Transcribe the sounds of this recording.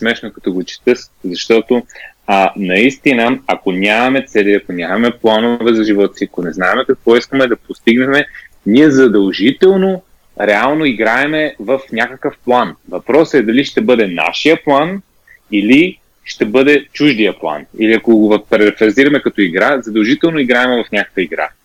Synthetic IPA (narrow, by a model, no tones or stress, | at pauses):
smɛʃnokɐt̪ɔɡot͡ʃɛ̥t̪ɤszɐʃt̪ɔt̪o | nɐist̪inəɐkonʲamɐmɛt̪sɛliɐkonʲamɐmɛplˠanovɛzɐʒivɔt̪siɐkonɛznaɛmɛkɐk̚vɔiskəmɛd̪ɐpost̪iɡnɛmɛnʲiɛzɐd̪ɐlˠʒit̪ɛlˠno | ɾɛalˠnoiɡɾaɛmɛvɐfnʲakəkəfplˠanvɐpɾɔsɛd̪ɐliʃt̪ɛbɤd̪ɛna̰ʃijəplˠan | ili | ʃt̪ɛbɤd̪ɛt͡ʃuʒd̪ijəplˠa̰nḭliɐkoɡvɐpɾɛɾɛfɛɾziɾɐmɛkɐt̪ɔiɡɾazɐd̪ɐlˠʒit̪ɛlˠnoiɡɾaɛmɛvɐfnʲakə̥kvəiɡɾa̰